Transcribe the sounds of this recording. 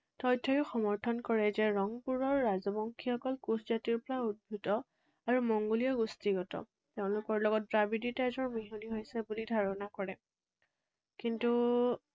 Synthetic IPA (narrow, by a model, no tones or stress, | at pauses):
tɔjtʰːɔjʊxɔmɔɹtʰɔnkɔɹɛzɛɹɔŋpuɹɔɹːazɔbɔŋkʰixɔkɔlkuszatiɹpɔɹaud̚bʱutɔ | aɹumɔŋɡolijɔɡustiɡɔtɔ̰ | teʊ̃lʊkɔɹlɔɡɔt̚dɹabiditazɔɹmiɦuniɦojsɛbulidʱaɹɔnakɔɹɛ | kintu